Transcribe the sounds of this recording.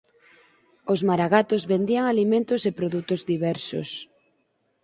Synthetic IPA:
ozmaɾaɣat̪ozβend̪iaŋalimẽnt̪osepɾoðut̪ozðiβɛɾso̰s

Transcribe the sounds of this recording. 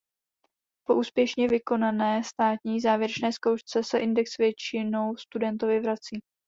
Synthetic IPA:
po̞ʔuːspjɛʃɲɛvɪko̞nanɛːst̪aːt̪ɲiːzaːvjɛɾɛt͡ʃnɛːskowʃt͡sɛsɛʔɪndɛksvjɛt͡ʃɪno̞wst̪udɛnt̪ovɪvɾat͡siː

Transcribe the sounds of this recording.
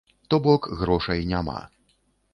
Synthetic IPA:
t̪ɔbɔkɣɾɔʂɐjnʲama̰

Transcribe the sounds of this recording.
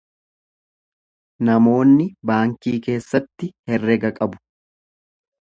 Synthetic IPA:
nɐmo̞ːnːɪbaːŋkiːke̞ːsːɐt̪ːɪhɛrːɛɡɐkʼɐbʊ̥

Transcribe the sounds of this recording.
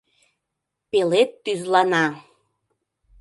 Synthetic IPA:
pelet̪ːyzlɑnɑ

